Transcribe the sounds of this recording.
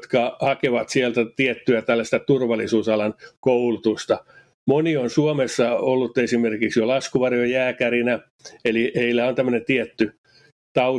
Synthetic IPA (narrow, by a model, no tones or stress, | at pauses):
t̪kɑhɑkeʋɑt̪sielt̪æt̪iɛt̪ːyæt̪ælːæst̪æt̪urʋɑlːˑisuːsɑlɑnkoulut̪ust̪ɑ | monionsuomesːɑolːut̪ːesimerkiksjolɑskuʋɑrjojæːkærinæ | eliheilːæont̪æmːø̆nent̪iɛt̪ːy | t̪ɑu